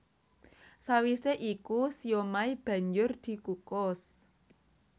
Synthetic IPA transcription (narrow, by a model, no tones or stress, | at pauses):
sawiseʔikusijomaib̥ä̤ɲd͡ʒʊrd̪̥i̤kukɔs